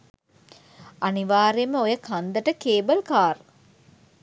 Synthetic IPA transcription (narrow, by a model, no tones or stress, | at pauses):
aniʋaːɾejəməojəkʰand̪əʈəkeːbəlkaːɾ